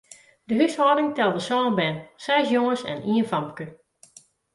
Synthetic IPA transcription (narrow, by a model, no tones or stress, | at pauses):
dəɦyshɔːdɪŋtɛlˠdəsɔːnbɛnsɛsjoŋəsɛ̰niənfamkə